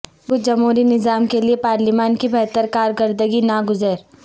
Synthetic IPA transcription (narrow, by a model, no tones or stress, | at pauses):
bʊd͡ʒɐmɦuːɾinɪzaːmkeliepaːɾlimaːnkibɛɦt̪əɾkaːɾkəɾd̪əɡinɐɡʊzəɾ